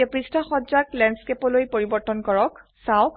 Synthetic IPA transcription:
ɛpɹistʰɔxɔzaklɛnskepɔlojpoɹibɔɹtɔnkɔɹɔksaw̃

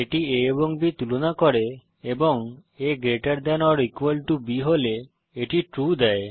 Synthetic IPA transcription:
eʈieeboŋbit̪ulonakɔɾe | eboŋeɡɾeʈaɾd̪ɛnɔɾikuelʈubiɦole | eʈiʈɾud̪ɛe

